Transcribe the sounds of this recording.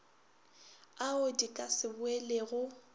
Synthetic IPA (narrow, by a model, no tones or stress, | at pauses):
aʊdikʼasɪbʊeleɣʊ